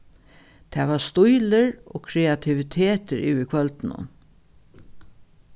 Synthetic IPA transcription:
t̪ʰɛːʋast̪ʊjləɹo̰ːkʰɾɛat̪ʰɪʋɪt̪ʰeːt̪əɾʔʉ̰ːɪkʰʋœlt̪nʊ̰n

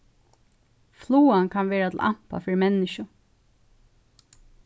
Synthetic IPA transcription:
fluːankʰanʋeːɹat̪ʰlʔa̰m̥pa̰fɪɾmɛnːɪʃʊ

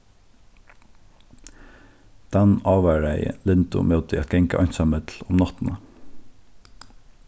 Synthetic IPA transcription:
d̪̥ɛnɑːʋæɹæɪə̰lɪnd̪ʊ̰moːt̪ɪɑ̰t̪̚ɡ̥ɛŋkəʔœʏnsɑmɪt̪l̩ʊmnɑt̪n̩ə

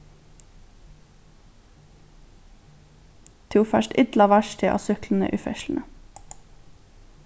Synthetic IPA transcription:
t̪ʰuːfæʃʈʔɪd̪lɑʋæʃtʰɪʔɑ̰sʏkln̩ə̰ʔʉːfɛ̰ʃln̩ʔə

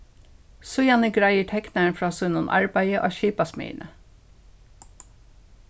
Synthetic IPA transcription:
sʊjɑnəɡɾæɪəʈʰɛknəɳfɹɑːsʉnʊnʔɑ̰ɹbæɪəʔo̰ːʃiːpɑsmḭɪ̰nʔə

